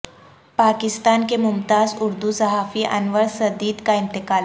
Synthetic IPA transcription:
pakist̪ankemumt̪azuɾd̪usəɦafiːʔa̰nʋəɭsəd̪iːd̪kaint̪ikal

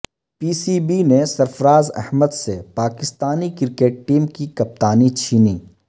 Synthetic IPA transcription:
piːsiːbinesɐɾfɾaːzɛ̰hməd̪sepaːkɪst̪aːnikɪɾkeːʈ̚ʈiːmkikɐp̚t̪aːnit͡ʃʰiːniː

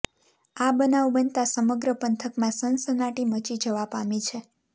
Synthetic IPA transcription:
abənaʋbənt̪asəməɡɾəpənt̪ʰəkmãsənsənaʈimət͡ʃid͡ʒəʋapamit͡ʃʰe

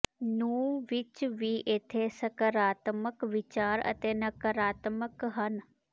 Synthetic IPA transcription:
nũːʋɪt͡ʃʋiːʔeːt̪ʰeːsəkəɾaːt̪məkʋɪt͡ʃaːɾə̰t̪eːnəkəɾaːt̪məkɦən

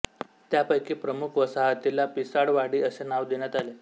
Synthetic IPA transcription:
t̪japəjkiːpɾəmukʰʋəsaɦət̪ilapisaɽʋaɽiːəsenaʋd̪eñjat̪ale

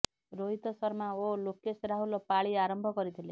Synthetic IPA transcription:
ɾoɦit̪ɔsʌɾmaolokesɾaɦulopaɭiaɾʌmbʱɔkʌɾit̪ʰile

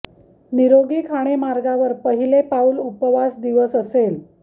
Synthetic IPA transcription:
niɾoɡiːkʰaɽ̃emaɾɡaʋəɾpəɦilepaulupəʋasd̪iʋəsəsel

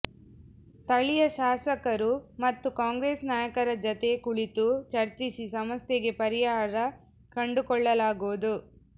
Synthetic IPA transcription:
st̪ʰɐɭijɐʃaːsɐkɐɾumɐt̪ːukaːŋɡɾeːsnaːjɐkɐɾɐd͡ʒɐt̪e̞kuɭit̪ut͡ʃɐɾt͡ʃisisɐmɐsjeɡe̞pɐɾijaːɾɐ | kɐɳɖukɔɭːɐlaːɡod̪u

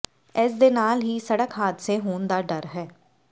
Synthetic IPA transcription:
ɛːs̬d̪eːnaːlɦiːsəɽəkɦaːt̪seɦoːnd̪aːɖəɾɦɛː

